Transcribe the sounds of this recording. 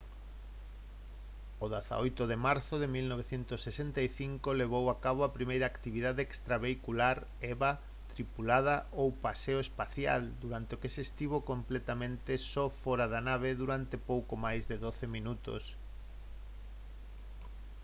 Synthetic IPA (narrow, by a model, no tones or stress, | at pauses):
oðaθa̰ojt̪oðemaɾθoðemilnoβ̞eθjent̪osːesent̪aiθiŋkoleβ̞owakaβ̞oapɾimejɾaːkt̪iβiðaðeekst̪ɾaβeikulaɾ | ɛβa | t̪ɾipulað̞aʔowpaseoespaθja̰ld̪uɾant̪eokesest̪iβ̞okomplet̪amẽnt̪esɔfɔɾaðanaβeðuɾant̪epowkomajzðeðoθemĩnut̪o̰s